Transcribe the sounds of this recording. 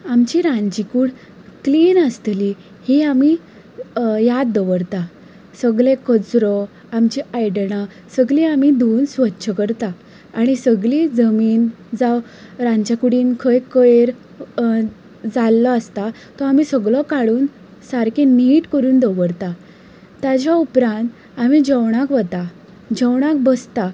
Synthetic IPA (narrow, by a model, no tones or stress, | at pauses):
amt͡ɕiɾãɲd͡ʑikuːɽ | kliːnəst̪li | hiami | jad̪d̪ɔʋəɾt̪a | səɡɭẽkət͡sɾɔ | amt͡ɕiajɽɽ̃a | səɡlĩamid̪onsʋət̪ːɕʰəkəɾt̪aː | ɽ̃isəɡlid͡zəmiːn | d͡zaw | ɾãɲt͡ɕakuɽiːnkʰəjkəjɾ | d͡zalːɔəst̪a | t̪ɔamisəɡɭɔkaɽuːn | saɾkeniːʈkəɾuːnd̪ɔʋəɾt̪a | t̪jad͡ʑjaupɾãnt̪ | amid͡ʑəwɽ̃akʋət̪a | d͡ʑəwɽ̃ak̚bəst̪a